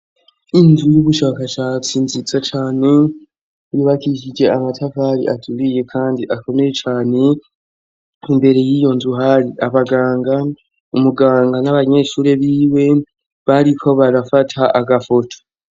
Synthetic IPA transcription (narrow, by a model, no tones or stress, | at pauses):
inzujuβuʃaːkat͡ʃaːt͡sinzit͡sat͡ʃaːne̞ | juβakiʃid͡ʒe̞amatʰavaːɾḭʔatʰuɾije̞kʰaːndiʔako̞me̞jet͡ʃaːne̞ | imbe̞ɾe̞jiːjo̞nzuɦaɾiʔaβaɡaːŋɡa | umuɡaːŋɡanaβaɲe̞ʃuːɾe̞βiːwe̞ | βaɾikʰo̞βaɾafatʰaʔaɡafo̞tʰo̥